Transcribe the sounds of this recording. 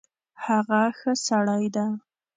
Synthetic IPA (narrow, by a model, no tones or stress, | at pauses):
haɣaxəsaɽajd̪a